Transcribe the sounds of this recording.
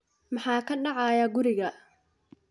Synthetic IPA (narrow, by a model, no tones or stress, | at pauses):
mɑħɑːkʰɐɖɑʕɑjaːɡʊɾɪɣɐ